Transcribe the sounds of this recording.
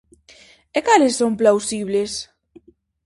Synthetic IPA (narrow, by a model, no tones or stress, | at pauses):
ekalesːomplawsiβles